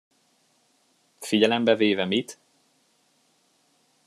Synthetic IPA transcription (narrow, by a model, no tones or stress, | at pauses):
fiɟɛlɛmbɛveːvɛmit̪